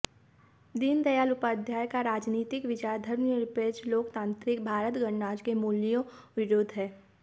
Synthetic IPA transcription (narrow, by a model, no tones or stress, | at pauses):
d̪ind̪ɐjaːlʊpad̪ʱjaːjkaɾaːd͡ʒniːt̪ɪkʋɪd͡ʒad̪ʱɐɾmjəɾɪpeːt͡ʃloːkt̪ãːnt̪ɾɪkbʱaːɾət̪ɡɐɳːaːd͡ʒkemuːlijõ | ʋɪɾoːd̪ɦɛː